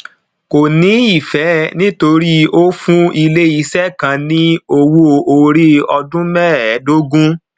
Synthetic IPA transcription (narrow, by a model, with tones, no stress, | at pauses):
ko˨nĩ˨˦i˦˨fɛ˨˦nĩ˦to˧ɾi˦o˦fũ˦i˧le˦i˨˧˦sɛ˦kã˧˦nĩ˦o˧wo˧o˧ɾi˦ɔ˧dũ˦mɛ˦ɛ˨˦do˦ɡũ˦